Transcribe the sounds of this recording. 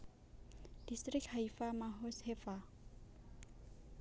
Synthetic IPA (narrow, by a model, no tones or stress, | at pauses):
d̥istʼrikhaifamaɦɔshɛfa